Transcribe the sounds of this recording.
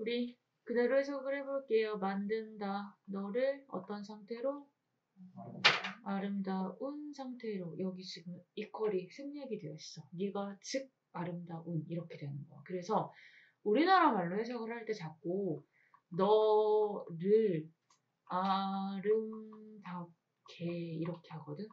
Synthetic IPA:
uɾi | kɯde̞ɾohes̬ʰʌɡɯɭhe̞boɭk͈e̞jomandɯndanʌɾɯɭʌ̰t͈ʌnsʰaŋtʰe̞ɾo | aɾɯmdaunsʰaŋtʰe̞ɾojʌɡiɕʰiɡɯnik͈ʰʌɾisʰɯmɲaɡidweʌs͈ʌniɡat͡ɕɯɡ̚ | aɾɯmdaʔuniɾʌkʰe̞dwe̞nɯnɡʌkɯɾe̞sʰʌ | uɾinaɾamaɭːohe̞s̬ʰʌɡɯɭɾhaɭt͈e̞t͡ɕak̚k͈o | nʌ | ɾɯɾ | aɾɯmda | kʰeiɾʌkʰe̞haɡʌdɯn

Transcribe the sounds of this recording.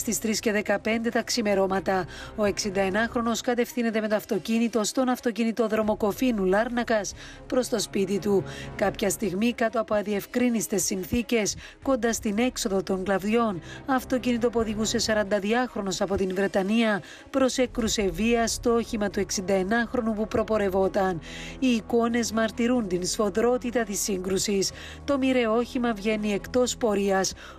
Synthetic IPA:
st̪ist̪ɾisce̞ðe̞kɐpe̞nd̪e̞t̪ɐksime̞ɾo̞mɐt̪ɐo̞e̞ksind̪ɐe̞nɐxɾo̞no̞skɐt̪e̞fθine̞t̪e̞me̞t̪oɐft̪o̞cinit̪o̞st̪o̞nɐft̪o̞cinit̪o̞ðɾo̞mo̞ko̞finulɐɾnɐkɐs | pɾo̞st̪o̞spit̪it̪ukɐpçɐst̪iɣmikɐt̪o̞ɐpo̞ɐðie̞fkɾinist̪e̞sːinθice̞s | ko̞nd̪ɐst̪ine̞kso̞ðo̞t̪o̞ŋɡlɐvðʝo̞nɐft̪o̞cinit̪̬opo̞ðiɣuse̞sɐɾɐnd̪ɐðiɐxɾo̞no̞sɐpo̞t̪invɾe̞t̪ɐniɐ | pɾo̞se̞kɾuse̞viɐst̪ooçimɐt̪ue̞ksind̪ɐe̞nɐxɾo̞nupupɾo̞po̞ɾe̞vo̞t̪ɐniːko̞ne̞zmɐɾt̪iɾunt̪insfo̞ðɾo̞t̪it̪ɐt̪isːiŋɡɾusis | t̪o̞miɾe̞o̞çimɐvʝe̞nie̞kt̪o̞spo̞ɾiɐs

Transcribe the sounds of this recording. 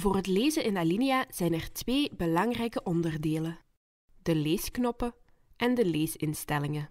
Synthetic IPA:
voːrɦətleːzənɪnalinijaːz̥ɛjnɛrtʋeːbəlɑŋrɛjkəʔɔndərdeːlə | dəleːsknɔpə | ʔɛndəleːsɪnstɛlɪŋə

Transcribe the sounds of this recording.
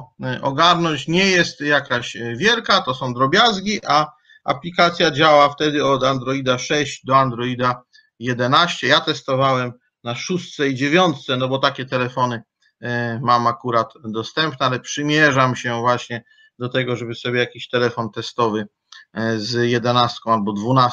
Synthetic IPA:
ʔɔ̰ɡaɾnɔɲt͡ɕɲɛjɛst̪jakaɕvʲjɛlkat̪ɔsɔ̃w̃d̪ɾɔbʲjazɡʲiʔa | a̰plʲikat̪sʲjad͡ʑawaft̪ɛd̪ɘɔd̪and̪ɾɔid̪aʂɛɕd͡ʑd̪ɔand̪ɾɔid̪a | jɛd̪ɛnaɕt͡ɕɛjat̪ɛst̪ɔvawɛm | naʂust̪sɛid͡ʑevʲjɔnt̪t̪sɛnɔbɔt̪akʲɛt̪ɛlɛfɔnɘ | mamakuɾat̪d̪ɔst̪ɛmpnɛalɛpʂɘmʲjɛʐamɕɛvwaɕɲɛ | d̪ɔt̪ɛɡɔʐɛbɘsɔbʲjɛjakʲiɕt̪ɛlɛfɔnt̪ɛst̪ɔvɘ | zjɛd̪ɛnast̪̚kɔ̃w̃albɔd̪vuna

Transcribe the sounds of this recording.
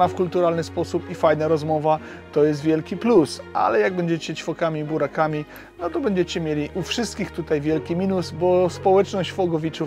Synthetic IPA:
afkult̪uɾalnɘspɔsupifajnaɾɔzmɔva | t̪ɔjɛst̪vʲjɛlkʲiplusʔa̰lɛjaɡ̚bɛɲd͡ʑɛt͡ɕɛt͡ɕfɔkamʲibuɾakamʲi | nɔt̪ɔbɛɲd͡ʑɛt͡ɕɛmʲjelʲiʔufʂɘst̪̚kʲixt̪ut̪ajvʲjɛlkʲimʲinusbɔspɔwɛt͡ʂnɔɕt͡ɕfɔɡɔvʲit͡ʂu

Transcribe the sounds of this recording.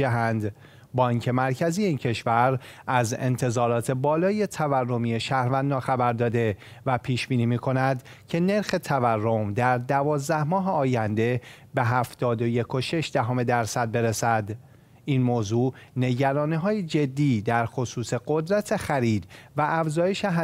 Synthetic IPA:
æɦænd̪ | bɒːiŋcʰe̞mæɾcʰæziːjeiːncʰe̞ʃvæɾʔæze̞̰nt̪ʰe̞zɒːɾɒːt̪ʰe̞bɒːlɒːje̞t̪ʰæværːo̞miːjeʃæhɾvænd̪ɒːxæbæɾd̪ɒːd̪e̞væpʰiːʃb̥iːniːmiːkʰo̞næd̪ | cʰe̞ne̞ɾxe̞t̪ʰæværːo̞md̪æɾd̪ævɒːzd̪æhmɒːɦeɒːjænd̪e̞ | be̞ɦæft̪ɒːd̪o̞je̞kʰo̞ʃe̞ʃd̪̥æɦɒːme̞d̪æɾsæd̪̚be̞ɾesæd̪ | inmoːzuːne̞ɟæɾɒːniːɦɒːjed͡ʒe̞d̪ːiːd̪æɾxo̞suːse̞ɡo̞d̪ɾæt̪ʰe̞xæɾiːd̪væʔæfzɒːje̞ʃeɦ

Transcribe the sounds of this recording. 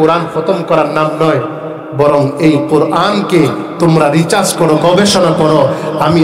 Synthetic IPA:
uɾankʰɔt̪ɔmkɔɾaɾnamnɔj | bɔɾɔŋejquɾʔanke | t̪umɾaɾit͡ʃaskɔɽoɡɔbeʃɔnakɔɽoami

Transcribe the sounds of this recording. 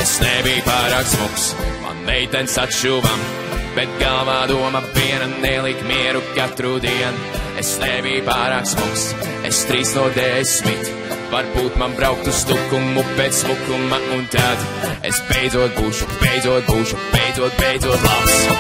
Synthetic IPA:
esnɛbijpaːɾaːksmuksma̰nːɛjt̪ɛnʲsat̪ʃuːvam | b̥ɛt̪̚ɡalˠvaːd̪uɔmaviɛnanɛlˠikmiɛɾukat̪ɾud̪iɛn | ḛsnebijpaːɾaːksmuks | ḛst̪ɾiːsnuɔd̪ɛsmit̪ | vaɾbuːt̪manbɾawk̚t̪ust̪ukumːubɛt̪smukumaunt̪ad̪ | ḛsbejd̪zuɔt̪̚buːʃub̥ejd̪zuɔt̪̚buːʃub̥ɛjd̪zuɔt̪̚bɛjd̪zuɔt̪lˠaps

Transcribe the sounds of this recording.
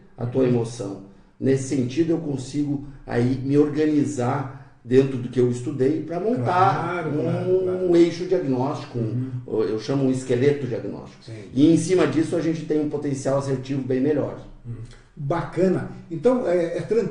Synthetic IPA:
ɐ̰t̪uɐemosɐ̰̃w̃ | nesɪ̥sẽnt͡ʃid̪ʊewkõsiɡʊa̰imɪoɾɡɐ̃nizaɾ | d̪ẽnt̪ɾʊd̪ʊkɪewɪst̪ud̪ejpɾɐmõnt̪aɾ̃ | ũejʃʊd͡ʒiaɡnɔst͡ʃi̥kʊṵ̃ḛwʃɐ̃mʊũɪskelet̪ʊd͡ʒiaɡinɔ̰st͡ʃi̥kʊɪẽsĩmɐd͡ʒisʊaʒẽnt͡ʃɪ̥t̪ẽj̃ũpot̪ẽsiawaseɾt͡ʃivʊbẽj̃meʎɔ̰ɾ | bakɐ̃nɐẽt̪ɐ̃w̃ɛɛt̪ɾɐ̃

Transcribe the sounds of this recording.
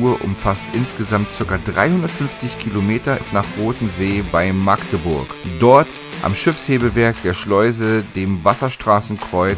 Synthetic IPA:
uːɐʔʊ̰mfastʔɪnsɡ̥əzamtt͡sɪɐkɐdʁa̰ɪhʊndɐtfʏnft͡sɪçkʰilomeːtɐnaːχʁoːtn̩zeːbaɪmaktəbʊɐkd̥ɔɐt | ʔa̰mʃɪfsheːbəvɛɐkd̥eːɐʃlɔʏzədeːmvasɐʃtʁ̥aːsn̩kʁ̥ɔʏ

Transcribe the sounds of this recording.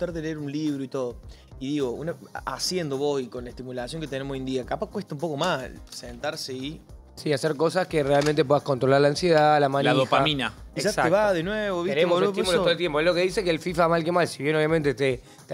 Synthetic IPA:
t̪aɾðeleeɾunliβɾoit̪oðoiðiɣo̞ṵnaasje̞nd̪oβosikonlaet̪imulasjoŋket̪enemsojend̪iakapakweht̪aumpo̞ko̞massent̪aɾsei | siaseɾko̞s̬askerealmẽnt̪̬e̞pwe̞ðahkont̪ɾo̞laɾlansjeðalamanaðopaaminaʒasaeβaðenweβoβeɾemoset̪imuloolt̪jempoelo̞keðisekelfifamalkemalsiβje̞no̞βjamẽnt̪et̪e | t̪

